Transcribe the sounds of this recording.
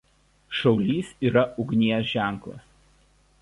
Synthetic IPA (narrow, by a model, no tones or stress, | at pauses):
ʃɐʊlʲiːsiːɾɐʊɡʲnʲiɛjosʒʲæˑŋˑklˠɐ̰s